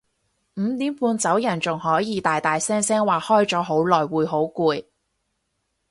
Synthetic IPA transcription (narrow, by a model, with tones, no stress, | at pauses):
m̩ː˨˩t̪iː˨˥mpuː˧nt͡sɐ˨˥wjɐ˨˩nt͡sʊ˨˩ŋhɔː˨˥jiː˨˧t̪aː˨jt̪aː˨jsɛː˥ŋsɛː˥ŋwaː˨hɔː˥jt͡sɔː˨˥ɦo˨˥wlɔː˨˩jwuː˨jɦo˨˥wkuː˧j